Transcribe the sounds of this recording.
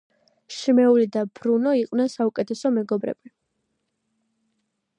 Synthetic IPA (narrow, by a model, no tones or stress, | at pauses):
ʃimɛulid̪ab̥ɾunɔiqʼwnɛnsaukʼɛt̪ʰɛsɔmɛɡɔbɾɛ̰b̥i